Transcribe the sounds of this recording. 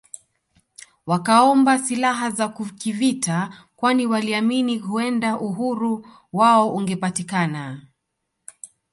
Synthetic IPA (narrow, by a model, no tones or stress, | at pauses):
wakaɔmbasilaɦazakukivita | kwaniwaliaminiɦuɛndaʔuɦuɾu | waɔʔuŋɡɛpatikana